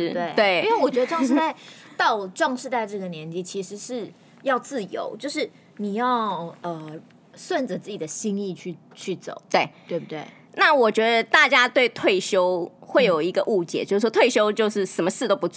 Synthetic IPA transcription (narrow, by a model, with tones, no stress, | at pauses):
t̪we˥˩ɪt̪we˥˩ɪ˥we˥˩wɔ˨˩t͡ɕɥɛ˧˥d̪ə˧ʈ͡ʂwŋʂ̬ɻ̩˥˧t̪a˥˩ɪt̪ɑ˥˧ʊʈ͡ʂwɑ˥˧ŋʂɻ̩˥˧t̪a˥˧ɪʈ͡ʂɤ˥˩ɡə˩njɛ˧˥nt͡ɕi˧˥t͡ɕʰi˧˥ʂɻ̩˧˥ʂɻ̩˥˩ | jɑ˥˧ʊt͡sɹ̩˥˩jo̰˧˥ʊt͡ɕjo˥˧ʊʂ̬ɻ̩˥˩ | ni˨˩jɑ˥˩ʊə˨˩ | swa˥˩nʈ͡ʂə˨˩t͡sɹ̩˥˩t͡ɕi˨˩ə˩˦ɕi˥ŋi˥˧t͡ɕʰy˥˩ | t͡ɕʰy˥˩t͡so̰˨˩˦ʊt̪we˥˩ɪt̪we˥˧ɪpu˥˩t̪we˥˩ɪ | na˥˩wɔ˨˩t͡ɕɥɛ˧˥d̪ə˧t̪a˥˩t͡ɕja˥t̪we˥˧ɪt̪ʰwe˥˩ɪɕjo˥ʊxwe˥˩ɪjo˨˩ʊi˧˥ɡə˧ʔu˥˩t͡ɕjɛ̰˨˩˦t͡ɕo˥˩ʂɻ̩˥˩wɔ˥t̪ʰwe˥˩ɪɕjo˥ʊt͡ɕjo˥˧ʊʂɻ̩˥˩ʂə˨˥nmə˧ʂ̩˥˧t̪o˥ʊpu˧˥